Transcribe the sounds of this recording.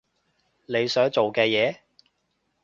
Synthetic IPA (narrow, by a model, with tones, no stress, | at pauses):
ne˨˧jsœː˨˥ŋt͡so˨wkɛː˧jɛː˨˧